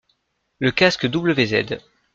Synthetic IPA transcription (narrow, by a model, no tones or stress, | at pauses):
ləkaskəd̪ubləvezɛ̰d̪